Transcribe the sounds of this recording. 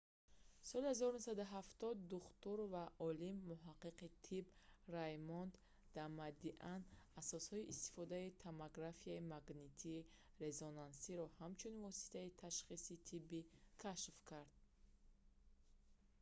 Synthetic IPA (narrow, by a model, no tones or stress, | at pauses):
sɔlihazɔɾunusad̪uɦaft̪ɔd̪ːuχt̪uɾvaʔɔlimːuɦaqːiqit̪ʰibrajmɔnd̪ | d̪amad̪iʔanasɔshɔiʔist̪i̥fɔd̪ait̪ʰamaɡɾafiaimaɡnit̪ʰiː | ɾe̞zonansiɾɔhamt͡ʃʰunvɔsi̥t̪ʰait̪ʰaʃχisit̪ʰibikʰaʃfkʰaɾd̪̥̚